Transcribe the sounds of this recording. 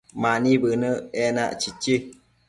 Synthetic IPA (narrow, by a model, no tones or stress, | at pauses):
manĩbənəɛna̰ʔt͡ʃit͡ʃi